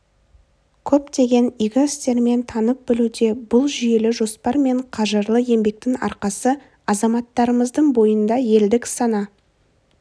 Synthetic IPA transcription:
kʲʰɵpt̪e̞ɡʲe̞niɡʲɪɪst̪e̞ɾme̞nt̪ʰɑnəp̚bɪlud̪e̞bʊlˠʒʏje̞lɪʒo̞spɑɾme̞ɴqʰɑʒəɾlˠəje̞mbe̞k̚t̪ɪŋɑ̰ɾqɑsə | ɑzɑmɑt̪ːɑɾəməzd̪əɴbo̞jənd̪ɑje̞ld̪ɪksɑnɑ

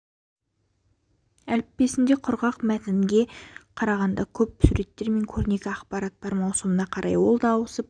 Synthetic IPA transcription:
ælɪp̚ːe̞sɪnd̪e̞qʰʊɾʁɑqmæt̪ɪŋɡʲe̞qʰɑɾɑʁɑnd̪ɑkʲʰɵpsuɾe̞t̪ːe̞ɾme̞ŋkʲʰɵɾne̞ɡʲɪɑqpɑɾɑt̪̚bɑɾmɑwsəmənɑqʰɑɾʔɑjwo̞lˠd̪ɑwəsəp̚

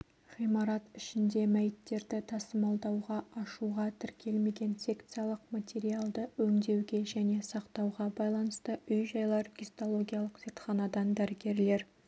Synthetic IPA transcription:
χijmɑɾɑt̪ɪʃɪnd̪e̞mæjɪt̪ːe̞ɾd̪ɪt̪ʰɑsəmɑlˠd̪ɑwʁɑʔɑʃuʁɑt̪ʰɪɾkʲʰe̞lme̞ɡʲe̞nsʲe̞kt̪sɨjalˠəqmat̪ʲe̞ɾialˠd̪əwɵŋd̪e̞wɡʲe̞ʒæne̞sɑqt̪ɑwʁɑbɑjlˠɑnəst̪əʏjʒɑjlˠɑɾɡʲist̪olˠo̞ɡʲijalˠəqz̥et̪χɑnɑd̪ɑnd̪æɾɪɡʲe̞ɾle̞ɾ

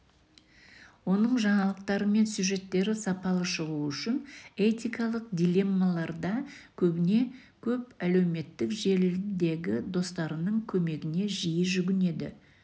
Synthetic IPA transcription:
wo̞nəɴʒɑɴɑlˠəq̚t̪ɑɾəme̞nsʲuʒe̞t̪ːe̞ɾɪsɑpɑlˠəʃəʁuʏʃɪne̞t̪ʲijkɑlˠəq̚d̪ʲilʲe̞mːalˠɑɾd̪ɑkʲʰɵbɪne̞ | kʲʰɵpæle̞wme̞t̪ːɪkʒe̞ɾd̪e̞ɡʲɪd̪o̞st̪ɑɾənəɴkʲʰɵme̞ɡʲɪne̞ʒijəʒʏɡʲɪne̞d̪ɪ̰

